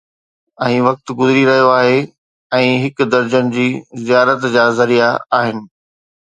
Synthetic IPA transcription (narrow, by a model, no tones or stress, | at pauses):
ɛ̃ːʋɐk̚t̪ɡʊzɪɾiɾɐɦijoaːɦe | ɛ̃ːɦɪkd̪ɐɾd͡ʑəñɪ̆d͡ʑiːzijaːɾət̪d͡ʑaːzɐɾijaaːɦɪnɪ̆